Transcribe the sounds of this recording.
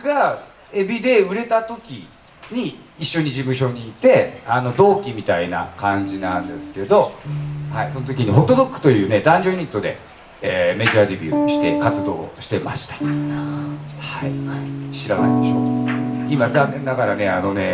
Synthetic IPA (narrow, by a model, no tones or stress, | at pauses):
ɡ̥a | ebʲid̪e̞ɯ̟ɾe̞t̪at̪o̞kʲi | ɲ̟iiɕːo̞ɲ̟id͡ʑimɯ̟ɕo̞ɲ̟iːt̪e̞ano̞d̪o̞ːkʲimʲit̪aina̰kãɲ̟d͡ʑinãnd̪e̞̰sɨ̥ke̞d̪o̞haiso̞not̪o̞kʲiɲ̟iɦo̞t̪ːod̪okːɯ̥t̪o̞jɯ̟ːne̞d̪ãɲd͡ʑoːɲ̟it̪ːo̞d̪e̞̰ | eme̞ʑaːd̪e̞bʲɯ̟ːɕi̥t̪e̞kat͡sɨd̪o̞̰ːɕi̥t̪e̞ma̰ɕi̥t̪ḁ | haiɕiɾana̰id̪eɕo̞ːkimad͡zãnːẽnːaɡaɾane̞ano̞ne̞